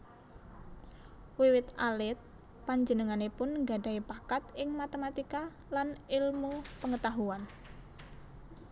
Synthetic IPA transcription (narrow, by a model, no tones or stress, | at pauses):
wiwɪt̪alɪt̪̚ | paɲd͡ʒənəŋanepʊnɡaɖa̤ipakat̪ɪŋmat̪emat̪ika | lanɪlmupəŋət̪aɦuan